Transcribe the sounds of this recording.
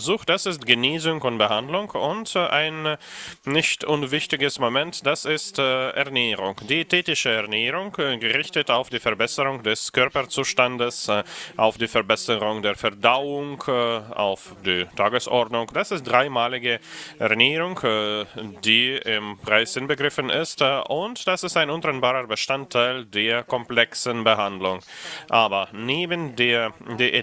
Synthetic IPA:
zuːxd̥asɪstɡ̥əneːzʊŋkʊntb̥əhandlʊŋkʊntʔa̰ɪnː | ɪçtʔʊnvɪçtɪɡəsmomɛntd̥asɪstʔɛɐneːʁʊŋd̥iːtʰɛːtɪʃəɛɐneːʁʊŋkɡəʁɪçtətaʊfd̥iːfɛɐbɛsəʁʊŋdɛskʰœɐpɐt͡suːʃtandəsʔaʊfd̥iːfɛɐbɛsəʁʊŋdeːɐfɛɐdaʊʊŋka̰ʊf | d̥iːtʰaːɡəsʔɔɐdnʊŋd̥asɪst̚d̥ʁaɪmaːlɪɡəʁɛniːʁʊŋk | diːɪmpʁ̥aɪszɪnbəɡʁɪfənɪstʔʊntd̥asɪstaɪnʊntʁɛnbaːʁəbəʃtantʰːaɪldeːɐkʰɔmplɛksənbəɦandlʊŋʔaːbɐneːbəndeːɐdeːɐ

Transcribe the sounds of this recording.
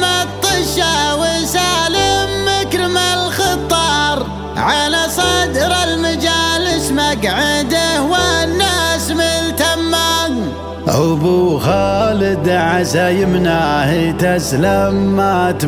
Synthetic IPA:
mat̪ˤːɨʃawɪsaːləmːakɾmalxɨt̪ˤːɑːɾˤ | ʕalasˤɑd̪ɾɑlmad͡ʒaːlɪʃmakʕɪd̪ahwanːaːsmɪlt̪amːaːn | ʔʊbuxaːlɪd̪ʕasajəmnahit̪aslamːat̪

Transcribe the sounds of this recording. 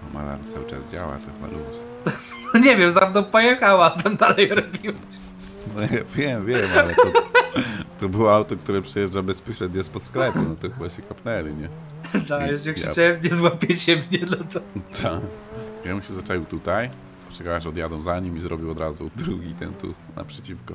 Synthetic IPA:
ɔma̰la̰ɾmt̪sawɨt͡ʂa̰zd͡ʑa̰wa̰t̪ɔxa̰lṵɕ | ɔɲɛvʲjɛmzamnɔ̃wpɔjɛxawat̪amd̪alɛjɾɔbʲiwa | ɛvʲjɛmvʲjɛmalɛɔ | t̪ɔbɨwɔawt̪ɔk̚t̪uɾɛpʂɛjɛʐdabɛspɔɕlɛd̪ɲɛspɔt̪sklɛpunɔt̪ɔxɨbaɕɛkapnɛlʲiɲɛ | d̪ajɛɛxt͡ɕaɛmɲɛzwapʲjet͡ɕɛmɲɛd̪lat̪ɛt̪ʰavʲjɛmuɕɛzat͡ʂalʲiwt̪ut̪aj | pɔ̥t͡ʃɛkawaʂɔd̪ʲjad̪ɔw̃zaɲimizɾɔbʲiwɔd̪ɾazud̪ɾuɡʲit̪ɛ̰nt̪ṵ | nʔa̰pʂɛt͡ɕifkɔ

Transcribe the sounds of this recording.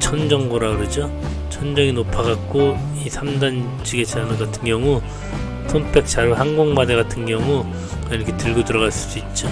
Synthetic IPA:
t͡ɕʰʌnd͡ʑʌŋɡoɾaɡɯɾʌd͡ʑo | t͡ɕʰʌnd͡ʑʌŋinopʰaɡak̚k͈o | isʰamdan | t͡ɕʰiɡe̞t͡ɕaɾnɯɡatʰɯnɡjʌŋu | sʰonpʰe̞k̚t͡ɕ͈aɾohanɡoŋmadeɡatʰɯnɡjʌŋu | kaiɾʌkʰetɯɭɡotuɾʌɣaɭs͈us͈uit̚t͡ɕ͈o

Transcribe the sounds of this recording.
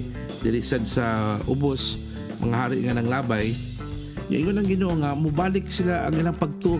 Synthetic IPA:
d̪ɪɾisad̪̚saʊbʊs | maŋaɦaːɾɪʔŋanaŋlaːbaj | ŋa̰ʔiŋonaŋɡɪnoːʔoŋamʊbaːlɪksilaʔa̰ŋilaŋpaɡ̚t̪uʔ

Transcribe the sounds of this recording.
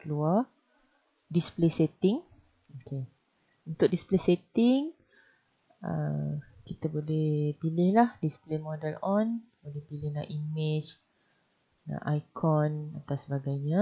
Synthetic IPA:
kəlua | displeset̪ɪŋ | okʰe | unt̪ʊk̚displeset̪ɪŋ | ə̰kit̪əbolɛhpilɪhlahdisplemodɛlɔnbolɛhpilɪhna̰ʔimɪt͡ʃ | nã̰ʔajkʰɔnat̪awsəbaɡajɲã

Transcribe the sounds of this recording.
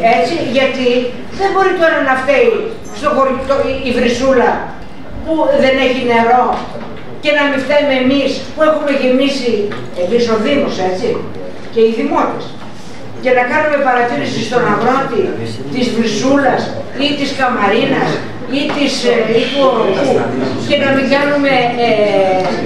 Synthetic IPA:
e̞t͡siʝɐt̪i | ðe̞mbo̞ɾit̪o̞ɾɐnɐft̪ei | st̪o̞xoɾt̪oiivɾisulɐ | puðe̞ne̞çine̞ɾo̞ | ce̞nɐmift̪eumemispue̞xume̞ʝimisi | emiso̞ðimose̞t͡si | ce̞iðimot̪is | ce̞nɐkɐnume̞pɐɾɐt̪iɾisist̪o̞nɐvɾo̞t̪i | t̪izvɾisulɐs | it̪iskɐmɐɾinɐs | it̪isit̪uoɾikuce̞nɐmiŋɡɐnume̞

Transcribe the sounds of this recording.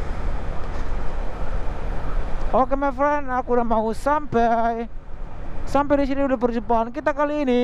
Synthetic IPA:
okemɛfɾɛnakudamaɦusampaj | sampɛdis̬iɾiudahpərd͡ʒupaːnkit̪akaliːni

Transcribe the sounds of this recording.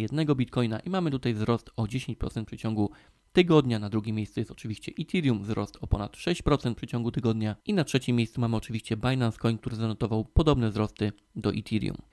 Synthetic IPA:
jɛd̪̚nɛɡɔbʲit̪̚kɔjnaʔimamɘt̪ut̪ajvzɾɔst̪ɔd͡ʑeɕeɲt͡ɕpɾɔt̪sɛnt̪pʂɘt͡ɕɔŋɡu | t̪ɘɡɔd̪ɲanad̪ɾuɡʲimʲejst̪sujɛst̪ɔ̥t͡ʂɘvʲiɕt͡ɕɛʔit̪ʰʲiɾjumvzɾɔst̪ʰɔpɔnat̪ʂɛɕt͡ɕpɾɔt̪sɛnt̪pʂɘt͡ɕɔ̃ŋɡut̪ɘɡɔd̪ɲaʔinatʂɛt͡ɕimːʲejsumamɘɔt͡ʂɘvʲiɕt͡ɕɛbajlanskɔjnk̚t̪uɾɘzanɔt̪ɔvawpɔd̪ɔbnɛzɾɔst̪ɘ | d̪ɔʔḭt̪ʰʲiɾjṵm

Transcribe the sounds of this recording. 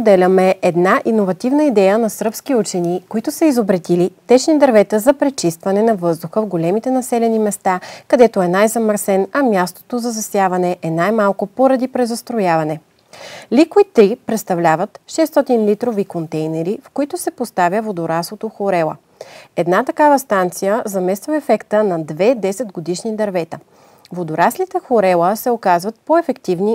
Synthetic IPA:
spod̪ɛlʲɐmɛʔɛd̪naʔinovɐt̪ivnəid̪ɛjənɐsɾpsk̟iut͡ʃɛnikoit̪ʊsɐizobɾɛt̪ilit̪ɛt͡ʃnid̪ɐɾvɛt̪əzɐpɾɛt͡ʃist̪vɐnɛnɐvɤzd̪ʊxəvɡolɛmit̪ɛnɐsɛlɛnimɛst̪akɐd̪ɛt̪oɛnajzɐməɾsɛnɐmʲjast̪o̥t̪ozɐzɐsjavɐnɛʔɛnajmalˠkʊpoɾɐd̪ipɾɛzɐst̪ɾojavɐnɛ | likoit̪ɾipɾɛt̪st̪ɐvlʲavɐt̪ʃɛst̪ɔt̪inlit̪ɾovikont̪ɛjnɛɾifkoit̪ʊsɛpost̪avʲjəvod̪oɾaslˠot̪oxoɾɛlˠə̰ | ɛd̪nat̪ɐkavɐst̪ant̪sijəzɐmɛst̪vəɛfɛkt̪ənɐd̪vɛd̪ɛsɛd̪ɡod̪iʃnid̪ɐɾvɛt̪ə | vod̪oɾaslit̪ɛxoɾɛlˠəsɛokazvɐt̪̚poɛfɛkt̪ivni

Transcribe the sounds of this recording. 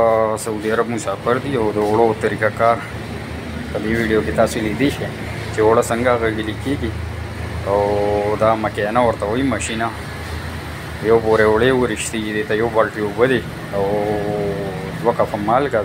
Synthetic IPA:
sɐuːd̪iɐɾɐbmusaːfəɾd̪iɐwd̪əːɽot̪ɐɾiːkakaːɾ | pəd̪eːwiːɖijoket̪aːselid̪iʃe | t͡ʃeoɽɐsɐŋɡaɣəɡilikeːɡi | awd̪aːmɐkeːnawɐɾt̪aoimɐɕina | joːboːɾeʊɽewəɾɪʃt̪iːɡid̪eːt̪ajoːbalʈiobɐd̪i | aw | d̪wɐkɐfɐmaːlɡa

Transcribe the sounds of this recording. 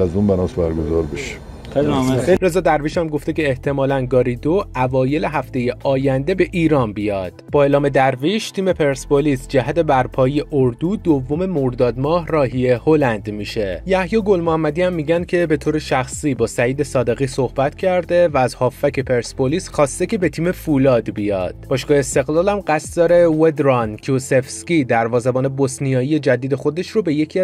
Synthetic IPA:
æzunbænɒːsbæɾɡozɒːɾbeʃi̥ | eɾe̞zɒːd̪æɾviʃæmɡo̞ft̪e̞ce̞ːht̪ʰe̞mɒːlænɡɒːɾid̪oævɒːje̞le̞ɦæft̪e̞je̞ʔɒːjænd̪e̞be̞ʔiːɾɒːnbijɒːd̪̥b̥ɒːelɒːme̞d̪æɾviʃt̪ʰiːme̞pʰe̞ɾspolisd͡ʒæɦæt̪ʰe̞bæɾpʰɒːjejeʔoɾd̪uːd̪ovːo̞me̞moɾd̪ɒːd̪mɒːhrɒːɦije̞ho̞lænd̪miːʃe̞jæhjɒːɡo̞lmoæmːæd̪iːæmːiːɟænd̪̚cʰe̞be̞t̪ʰoːɾeʃæxsiːbɒːsæiːd̪e̞sɒːd̪e̞ɣiːsohbæt̪ʰcʰæɾd̪e̞væːzhɒːfːæcʰe̞pʰe̞ɾsboliːsxɒːst̪e̞ce̞be̞t̪ʰiːme̞fulɒːd̪bijɒ̰ːd̪̥b̥ɒːʃɡɒːheːst̪e̞ɣlɒːlæmɢæst̪d̪ɒːɾe̞wed̪ɾɒncʰusefscid̪æɾvɒːzebɒːne̞bɒsnijɒːjije̞d͡ʒæd̪iːd̪e̞xo̞d̪e̞ʃɾobe̞je̞cʰi

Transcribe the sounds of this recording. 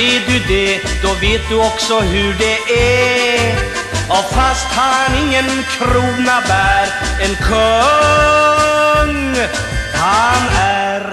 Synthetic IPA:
id̪ʉd̪ɛd̪̥ɔveːt̪̚d̪ʉɔksɔɦʉɖɛʔæ | ɔfast̪hanɪŋːənkʰɾuːnabæːɾ | ɛnkʰɔ | ŋ | hanæɾ

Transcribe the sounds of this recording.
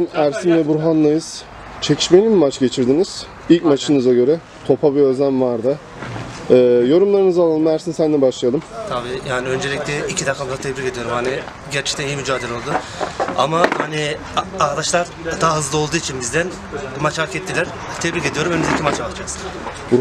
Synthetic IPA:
inæɾsinvɛbuɾɦanlˠajɯz̥ | t͡ʃʰe̞cʰiʃme̞nimmat͡ʃɟe̞t͡ʃʰiɾd̪iniz̥ | ilʲcmat͡ʃʰɯnɯzaɟø̞ɾɛ | t̪ʰo̞pʰabiø̞znæmvaɾd̪a | ɯːjo̞ɾumlˠaɾɯnɯzalˠalˠɯmæɾsinisænd̪ɛbaʃlˠɯjalˠɯmt̪ʰabiːjaːniø̞nd͡ʒe̞lʲic̚t̪ɛicʰid̪akʰamd̪at̪ʰebɾiked̪ijo̞ɾumhanɪ | ɟæɾt͡ʃʰɛ̥c̚t̪ænijimyd͡ʒaːd̪elʲo̞lˠd̪ʊ | a̰mahanɪ | ad̪aʃlˠaɾ | d̪aɦɯzlˠɯolˠd̪uːit͡ʃʰinbizd̪æn | mat͡ʃaɾkʰɛt̪ʰːilʲæɾ̥ | t̪ʰɛbɾike̞d̪ijo̞ɾumønmzecʰʲimat͡ʃʰaat͡ʃʰaksɯbu

